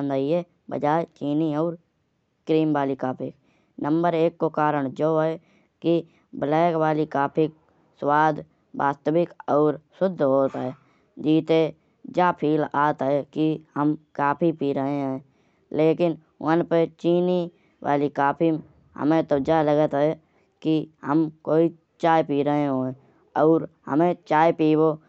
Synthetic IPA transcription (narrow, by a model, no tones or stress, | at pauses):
nd̪aːie | bə̰d͡ʒaːet͡ʃiːniɔːɾ | kɾiːmʋaːlikaːpʰɪk | nə̃mbəɾeːkːokaːɾəɽ̃d͡ʒoːɦɛ | ki | blɛːkwaːlikaːpʰik̚ | swaːd̪ | ba̰ːst̪əbɪkɔːɾsʊd̪ʱːɦoːt̪ɦɛ | d͡ʒiːt̪e | d͡ʒapʰiːlaːt̪ɛkihəmkaːpʰipiːɾəɦẽɦɛ̃ | leːkɪn | wənpet͡ʃiːni | wʔa̰ːlikaːpʰim | ɦə̰mẽt̪əd͡ʒaləɡət̪ɦɛ | kihəmkoːi | t͡ʃaːjpiːɾəɦẽɦoẽ | ɔːɾhə̰mẽt͡ʃaːjpiːbo